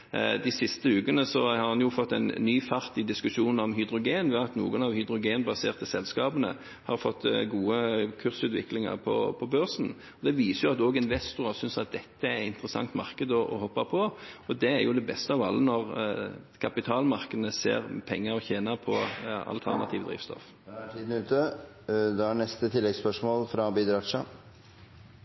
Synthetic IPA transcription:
d̪ɪsɪst̪əʉːkənəsɔhɑɾhɑnjʊfɔt̪ːɛɪnːyːfɑʁt̪ɪd̪ɪskʉʃuːnɔmɦʏd̪ɾʊɡeːnʋɛɑt̪nṵːənɑʋhʏd̪ɾʊɡeːnbɑseːʁt̪sɛlskɑːbənə̰ | hɑɾfɔt̪ːɡuːəkʰʉʁsʉːt̪ʋɪ̰klɪŋɑ̰ʁpʰɔ̰pʰɔbøʁʂn̩ | ɔd̪ɛʋiːsəjʊɑt̪oːɡɪnʋɛst̪ʊʁɑsʏnsɑt̪̚d̪ɛt̪ːəæɾɪnt̪ɾəsɑ̰ŋt̪mɑ̰ʁkəd̪ɔʔɔ̰hɔpːɑpʰɔɔd̪ɛæɾjʊd̪ɛbɛst̪əɑʋɑlːənɔʁ | kʰɑpɪt̪ʰɑːlmɑʁkəd̪ənəsḛːʁpʰɛŋːəɾɔçeːnɑpʰɔɑ̰lt̪ʰæ̰ʁnɑ̰t̪ʰiːʋəd̪ɾḭːʋst̪ɔ̰f | ʈʰiːd̪n̩ʉːt̪ə | d̪ɛæɳɛst̪ət̪ʰɪlːɛɡspœʂmoːlfɾɑbiːd̪ɾɑʂɑ

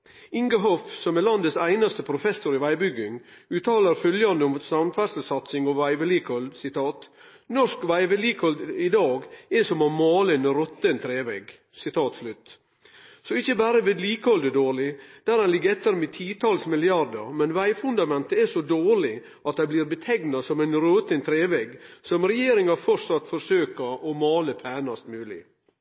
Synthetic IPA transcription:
ɪŋɡəɦɔfsɔmɛlɑnd̪əsæɪnɑst̪əpʰɾʊfɛsʊɾɪʋæɪbʏɡːɪŋʉːt̪ɑːləɾfœljɑnd̪əʊmsɑmfæɾsəsɑt̪sɪŋɑʋæɪʋɛlikɔlsɪt̪ʰɑːt̪ | nɔʂkʋæɪʋɛliːkɔld̪ɪd̪ɑːɡɛsɔmɑmɑːlənəɾɔt̪ːənt̪ʰɾeːʋɛɡ | sɪt̪ʰɑːt̪slʉt̪ | sɔɪçːəbæːɾəʋeːd̪liːkəɔld̪əd̪oːɾɭɪd̪̥æɾɛnlɪɡːəɾɛt̪ːəɾmɛt̪ʰiːt̪ʰɑːlsmɪlɪɑɾd̪əɾmɛnʋæɪfʉnd̪ɑmɛnt̪əɛʂɔd̪oːɭɪ | ɑt̪̚d̪æɪbliːɾbət̪ʰɛɡnɑsɔmæɪnɾoːt̪ənt̪ʰɾeːʋɛɡsɔmɾɛjeːɾɪŋɑfɔɾsɑt̪ːfɔɾʂøːkəɾʔɔmɑːləpʰæːnɑst̪mʉːlɪ̰

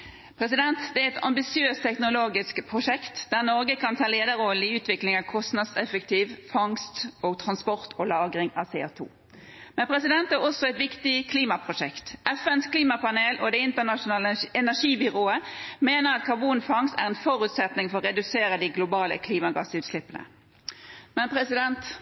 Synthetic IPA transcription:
pʰʁɛsɪd̪ɛnt̪d̪ɛæɛt̪ɑ̰mbɪsɪøːst̪ʰːɛknʊloːɡɪskpʰʁʊʂɛkt̪d̪æʁnɔʁɡəkʰɑnt̪ʰɑːleːd̪əʁɔlɪʉːt̪ʋɪklɪŋɑʋkʰɔst̪nɑd̪sɛfəkt̪ʰiːʋfɑŋst̪oːɡt̪ʰʁɑnspɔʁt̪olɑːɡʁɪŋɑʋseːo̰ːt̪ʰṵː | mɛnpʰʁɛsɪd̪ɛnt̪æʁɔsːɔɛt̪ʋɪkt̪ɪkʰliːmɑpʰʁʊʂɛkt̪ʔɛfɛnskʰliːmɑpɑneːlʔod̪ɛɪnt̪əʁnɑʃʊnɑːləɛnæʁʂiːbʏʁoːəmeːnəʁɑt̪kʰɑbuːnfɑŋst̪æ̰ʁɛnfɔɾʉt̪sɛt̪nɪŋfɔʁɔːʁɛd̪ʉseːɾəd̪ɪɡlʊbɑːlə̰kʰliːmɑɡɑ̰sʉːt̪slɪpːənə̰ | mɛnpʰʁɛsɪd̪ɛnt̪

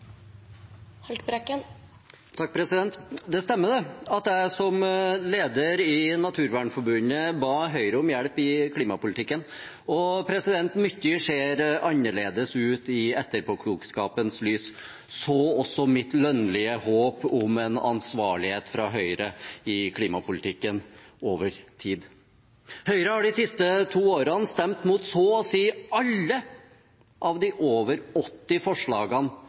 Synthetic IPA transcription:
hɛlt̪bɾɛkːən | t̪ʰɑk̚ːpʰɾɛsɪd̪ɛnt̪d̪ɛst̪ɛmːəɖ̪ɛɑt̪jæɪsɔmleːd̪əɾɪnɑt̪ʰʉːɾʋæːɳfɔɾbʉnəbɑːɦœʏɾəɔmjæɽpɪkʰliːmɑpʊlɪt̪ʰɪkːən | ɔpʰɾɛsɪd̪ɛnt̪mʏt̪ːɪʂeːɾɑnːəɭeːd̪əsʉːt̪ɪɛt̪ːəɾpʰɔkʰluːkskɑːpənslyːs | sɔɔsːɔmɪt̪lœnlɪəhoːpʊmɛnɑ̰nsʋɑːɭɪheːt̪fɾɑɦœʏɾəɪkʰliːmɑpʰʊlɪt̪ʰɪkːənoːʋəɾt̪ʰiːd̪ | hœʏɾəhɑɖɪsɪst̪ət̪ʰuːoːɾənst̪ɛmt̪muːt̪sɔːɔsiːɑlːə | ʔɑʋd̪ɪʔoːʋəɾɔt̪ːɪfɔʂɭɑːɡən

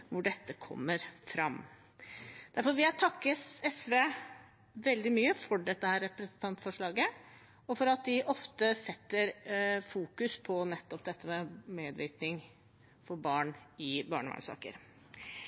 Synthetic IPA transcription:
ʋʊɖɛt̪ːəkʰɔ̰mːəɾfɾɑ̰m | d̪̥æɾfɔɾʋɪæt̪ʰɑkːəɛsʋeː | ʋɛld̪ɪmyːəfɔɖɛt̪ːəhæːɾːɛpɾɛsən̩t̪ʰɑnt̪fɔʂɭɑːɡə | ɔfɔɾɑt̪̚d̪ɪʔɔft̪əsɛt̪ːəɾfuːkʉspʰɔnɛt̪ːɔpd̪ɛt̪ːəmɛmeːd̪ʋɪ̰ɾt̪nɪŋ | fɔɾbɑːɳɪbɑːɳəʋɑ̰ɳsɑ̰ːkə̰ɾ

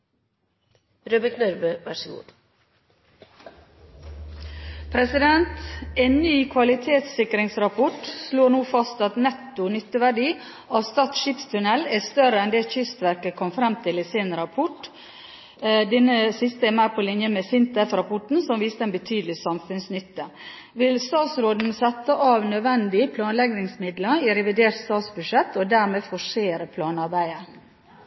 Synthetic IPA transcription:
ɾøːbəknœɾbøʋæʂəɡṵːd̪ | pʰɾɛsɪd̪ɛnt̪eːnnyːkʰʋɑlɪt̪ʰeːt̪sɪkɾɪŋsɾɑpʰɔʈsloːɳuːfɑst̪ɑt̪nɛt̪ːʊnʏt̪ːəʋæɖiː | ɑːʋst̪ɑːt̪ʃɪpst̪ʰʉnɛlæst̪œɾəɛnd̪eːçʏst̪ʋæɾkəkʰɔmfɾɛmt̪ʰɪlɪseːnəɾɑpʰɔʈ | d̪ɛnəsɪst̪əɛmæɪpʰɔlɪnjəmɛsɪnt̪əfɾɑpʰɔʈn̩sɔmʋiːst̪əɛnbət̪ʰyːd̪əlɪsɑmfʉnsnʏt̪ːə | ʋɪlst̪ɑːt̪sɾoːd̪n̩sɛt̪ːəʔɑːʋnœʋɛnd̪ɪpʰlɑːnlɛɡnɪŋsmɪd̪ləiɾɛʋɪd̪eːɾʈ̪st̪ɑːt̪sbʉʂɛt̪ːɔd̪æːɾmeːfɔʂeːɾəpʰlɑːnɑɾbæɪəɾ

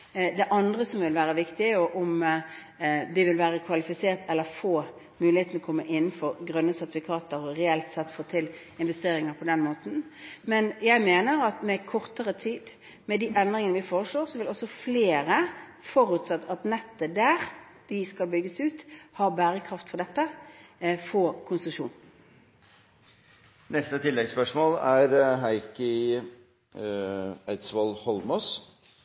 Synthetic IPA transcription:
d̪ɛʔɑnd̪ʁəsɔmʋɪlʋæːɾəʋɪkt̪ɪæjʊʔʊm | d̪ɪʋɪlʋæːɾəkʰʋɑlɪfɪseːʁt̪ʰɛlːəɾfoː | mʉːlɪeːt̪n̩ɔkʰɔmːəʔɪnːn̩fɔɾɡɾœnːəsɛt̪ɪfɪkʰɑːt̪əɾɔɾɛɛlt̪sɛt̪ːfoːt̪ʰɪl | ɪnʋɛst̪eːɾɪŋəɾpʰɔd̪ɛnmoːt̪n̩mɛnjæɪmeːnəɾɑt̪mɛkʰɔʁt̪əʁət̪ʰiːd̪ | mɛd̪iːʔɛnd̪ɾɪŋənəʋɪfoːʁəʂɭoːɾsɔʋɪlɔsːɔfleːɾəfɔɾʉːt̪sɑt̪ːɑt̪nɛt̪ːəd̪æːʁd̪̥ɪskɑlbʏɡːəsʉːt̪hɑʁbæːʁəkʰʁɑft̪fɔʁd̪ɛt̪ːə | fɔːkʰʊnsʊʂṵːn | nɛst̪ət̪ʰɪlːɛɡspœʂmoːlæɾɦæɪkə | æɪt̪sʋɔlhɔlmɔs

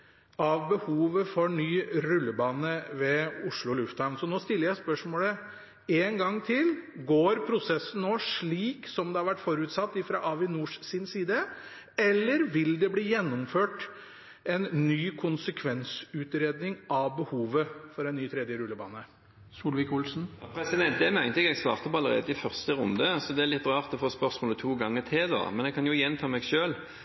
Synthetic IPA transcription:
ɑʋbəhuːʋəfɔɾnyːɾʉlːəbɑːnəʋɛʊʂɭʊɔlʉft̪hɑɾnsɔnoːst̪ɪlːəɾjæɪspœʂmoːlə | eːnɡɑŋːt̪ʰɪlɡoːɾpʰɾʊsɛsːən̩noːʂɭiːksɔmd̪ɛhɑɾʋæʈːfɔɾʉːt̪sɑt̪ːɪfɾɑʔɑʋɪnuːʂsiːnsiːd̪ə | ɛlːəɾʋɪld̪ɛbliːjɛnːʊmføːʈ | ɛnːyːkʰʊnsəkʰʋɛnsʉːt̪ɾeːd̪nɪŋʔɑʋbəhuːʋəfɔɖɛnːyːt̪ʰɾɛd̪jəɾʉlːəbɑ̰ːnə | suːlʋɪkʊlsn̩jɑpʰɾɛsɪd̪ɛnt̪̚d̪ɛmɛæɪɡənlɪɡɛɡst̪ɑ̰ːʁt̪əpʰɔɑləʁḛːd̪əɪfœʁst̪əʁʊ̰nd̪əsɔd̪ɛæɾlɪt̪ːʁɑːʁt̪ɔfoːspœʁsmoːlət̪ʰuːɡɑŋːət̪ʰɪd̪ɑ̰mɛnɛɡkʰɑnjʊjɛnt̪ʰɑːmɛɡʃøːl

